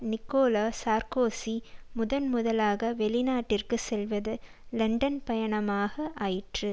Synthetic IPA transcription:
nɪkːoːlaːsaːɾkoːsimʊðɐnmʊðɐlaːɣɐʋɛɭɪnaːʈːɪrkɯsɛlʋɐðɯ | lɐɳɖɐnpɐjɐɳɐmaːɣɐʔaːjɪʈrɯ

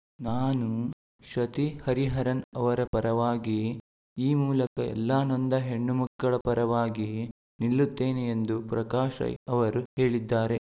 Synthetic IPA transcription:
naːnu | ʃɐt̪ihɐɾiɦɐɾɐnɐʋɐɾɐpɐɾɐʋaːɡi | iːmuːlɐkɐɛ̰lːaːnɔnd̪ɐɦe̞ɳːumɐkːɐɭɐpɐɾɐʋaːɡi | nilːut̪ːe̞ːneend̪upɾɐkaːʃɐ̰ɐʋɐɾuhe̞ːɭid̪ːaːɾe̞

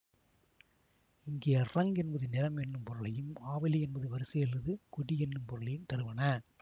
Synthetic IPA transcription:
ɪŋɡeːɐrɐŋɡɛnbɐðɯnɪɾɐmɛnːɯmpɔɾɯlɐjɯmaːʋɐliɛnbɐðɯʋɐɾɯsɐjɐlːɐðɯkʊɽiɛnːɯmpɔɾɯlɐjɯmt̪ɐɾɯʋɐnɐ

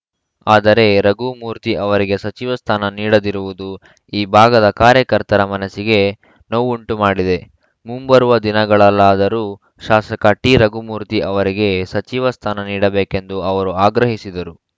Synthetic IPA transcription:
aːd̪ɐɾe̞ɾɐɡumuːɾt̪iʔɐʋɐɾiɡe̞sɐt͡ʃiʋɐst̪ʰaːnɐniːɽɐd̪iɾuʋud̪u | iːbʱaːɡɐd̪ɐkaːɾjɐkɐɾt̪ɐɾɐmɐnɐsiɡe̞ | noʋuɳʈumaːɽid̪e̞ | mumbɐɾuʋɐd̪inɐɡɐɭɐlːaːd̪ɐɾuː | ʃaːsɐkɐʈːiɾɐɡumuːɾt̪iʔɐʋɐɾiɡe̞sɐt͡ʃiʋɐst̪ʰaːnɐniːɽɐbeːke̞nd̪uɐʋɐɾuaːɡɾɐɦisid̪ɐɾu

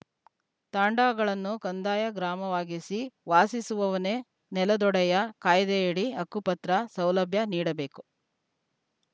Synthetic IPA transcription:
t̪aːɳɖaːɡɐɭɐnːukɐnd̪aːjɐɡɾaːmɐʋaːɡisiʋaːsisuʋɐʋɐne̞ | nɛlɐd̪ɔɽɛjɐkaːjd̪eeːɽiɐkːupɐt̪ɾɐsɐwlɐbʱjɐniːɽɐbe̞ːku

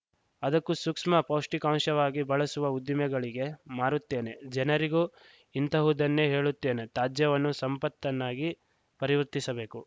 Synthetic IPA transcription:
ɐd̪ɐkːusukʂmɐpɐwʂʈikaːŋʃɐʋaːɡibɐɭɐsuʋɐud̪ːimɛɡɐɭiɡe̞maːɾut̪ːe̞ːne̞d͡ʒɛnɐɾiɡu | int̪ɐɦud̪ɐnːeɦe̞ːɭut̪ːe̞ːne̞t̪aːd͡ʒjɐʋɐnːusɐmpɐt̪ːɐnːaːɡi | pɐɾiʋɐɾt̪isɐbe̞ːku

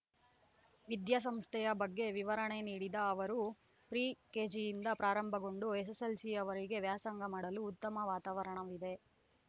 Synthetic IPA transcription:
ʋid̪jɐs̬ɐmst̪ʰɛjɐbɐɡːe̞ʋiʋɐɾɐɳe̞niːɽid̪ɐːʋɐɾu | pɾiːkeːd͡ʒijind̪ɐpɾaːɾɐmbʱɐɡo̞ɳɖues̬eselsiɐʋɐɾiɡe̞ʋjaːsɐŋɡɐmaːɽɐluːt̪ːɐmɐʋaːt̪aːʋɐɾɐɳɐʋid̪e̞

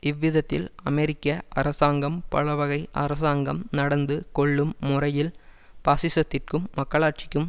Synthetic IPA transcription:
ʔɪʋːɪðɐt̪ːɪ̰lɐmɛɾɪkːɐʔɐɾɐsaːŋɡɐmpɐ̰ɭɐʋɐɣɐɪʔɐ̰ɾɐs̬aːŋɡɐmnɐɽɐnd̪ɯkɔɭːɯmːʊrɐjɪl | paːsɪsɐt̪ːɪrkɯmːɐkːɐɭaːʈ̚t͡ʃɪ̥kːɯm

